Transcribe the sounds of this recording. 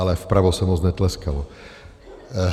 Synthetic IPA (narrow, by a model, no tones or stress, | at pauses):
alɛfpɾaʋɔsamɔznɛt̪lɛskalɔ